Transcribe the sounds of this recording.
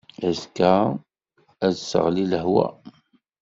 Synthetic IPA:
æzkæ | æðsə̰ʁliləɦwæ̰

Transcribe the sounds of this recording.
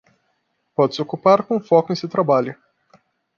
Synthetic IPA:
pɔd̪sokupaɾkõfɔkʊ̃zɪt̪ɾabalʲʊ

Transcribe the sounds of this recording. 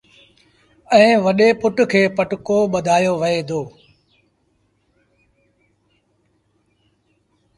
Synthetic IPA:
ɛ̃ːʋɐɗeːpʊʈkʰeːpəʈkoːɓəd̪ʱaːjoːʋɐeːd̪ʱoː

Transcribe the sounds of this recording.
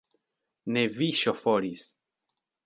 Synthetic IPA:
neviʃofoɾis

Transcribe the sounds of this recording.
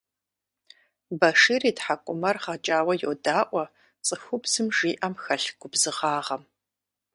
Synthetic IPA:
bɐʂiːriːtħakʷʼʊmɐrχɐt͡ʃʼaːwɐjodaːʔʷʼɔ | t͡sʼɨxʷʊbz̥ɨmʐiːʔɐmxɐɬɡ̥ʷʊbzɨʁɑːʁɐm

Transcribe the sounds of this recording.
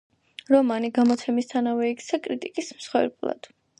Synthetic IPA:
ɾɔmaniɡamɔt̪sʰɛmist̪ʰanavɛikʰt̪sʰakʼɾit̪ʼikʼismsχwɛ̰ɾblˠa̰d̪̥

